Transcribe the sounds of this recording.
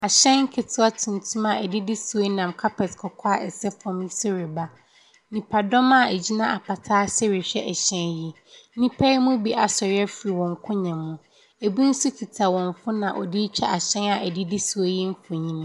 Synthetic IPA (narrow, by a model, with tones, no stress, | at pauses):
a˨ɕɛ̃˦nŋ̩˦kʰɪ˨tʰʊ˦a˦tʰũ˨n˨tʰũ˦ma˨ɛ˨dɪ˦dɪ˦su˨˦o˦nã˨mkʰa˦pʰɛ˨tkʰɔ˨kʰɔ˦a˨ʔɛ˨sɛ˦fɔ̃˦mi˦sɔ˦ɾɛ˨ba˦ | nĩ˨pʰa˨dɔ̃˦ma˨æ˨d͡ʑi˦nã˦ʔa˨pʰa˨tʰaː˦sɛ˦ɾɪ˨ɕᶣɛ˦ʔɛ˨ɕɛ̃˦ji˨˦ | nĩ˦pʰɛ˦i˦mũ˦bi˦ʔa˨sɔ˨ɾɛ˦fi˨ɾi˨wɔ̃˨ŋkʰʊ̃˦ɲɛ̃˨mːũ˦ | e˨bi˦n̩˦su˦tʰi˨tʰa˨wɔ̃˨ɱfʊ˦nã˨ʔɔ̰˨dɪ˦t͡ɕʰᶣɛ̰˦ʔa˨ɕɛ̃˦na˨ʔæ˨dɪ˦dɪ˦su˨o˦ji˦m̩˦fʊ˨ɲĩ˦ñ˦